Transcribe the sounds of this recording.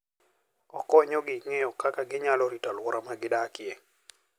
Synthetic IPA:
ɔkɔɲɔɡɪŋejɔkakaɡɪɲalɔɾitalwɔɾamaɡɪdakje

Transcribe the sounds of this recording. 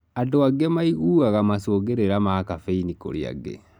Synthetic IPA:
adoaɡemaiuːɣaɣamasoːɣeɾeɾamakafeiniko̰ɾja̰ɡḛ

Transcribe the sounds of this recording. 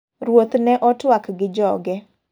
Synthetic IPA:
ɾwot̪nɛʔɔtwakɡɪd͡ʒɔɡɛ

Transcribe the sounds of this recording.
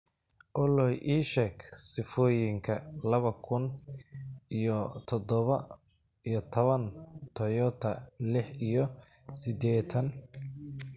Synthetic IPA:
ʔɔlɔjʔiːʃɛkʰsɪfɔːjɪŋkʰɐlɐβɐkʰʊn | ʔijɔt̪ʰɔd̪ɔβɐ | ijɔt̪ʰɔβɐnt̪ʰɔjɔt̪ʰɐlɪħijɔsɪd̪ɛːt̪ʰɐn

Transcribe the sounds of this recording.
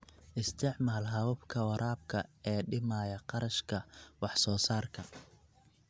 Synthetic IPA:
ʔɪst̪ʰɪʕmaːlɦɐwʊbkʰɐwɑɾʔaːb̚kʰɐɛːɖɪmaːjɐqɑɾɐʃkʰɐwɑħsɔːsaːrkʰɐ

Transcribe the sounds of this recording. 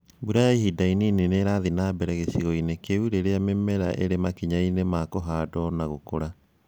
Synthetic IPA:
buɾajaiɦidainineneɾaðinabɛɾɛɣesiɣɔinekeuɾeɾeamɛmɛɾa̰ʔḛɾemakiɲainemakoɦadɔnaɣokoɾa

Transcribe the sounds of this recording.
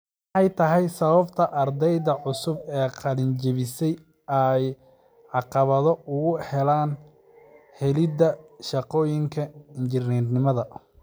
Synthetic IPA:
m | ɑħɑjt̪ʰɐɦɛjsɐβɐbt̪ʰɐʔɐrd̪ɛjðɐʕʊsʊbɛːqʰɑlɪnt͡ʃɪβɪsɛj | ɐj | ʕɑqɑβɐðɔʊɣʊhɛlaːn | hɛlɪd̪ɐʃɑqɔːjɪŋkʰɐɪɲt͡ʃɪrnɛrnɪmɐðɐ

